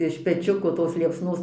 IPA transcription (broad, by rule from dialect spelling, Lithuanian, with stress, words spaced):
ɪʃ pʲɛˈt͡ʃʲʊkoː toːs lʲiɛpsˈnoːs